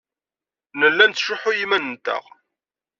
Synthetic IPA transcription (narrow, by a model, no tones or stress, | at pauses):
nəlːænt̪ːʃʊħʊjimænənt̪æ̰ʁ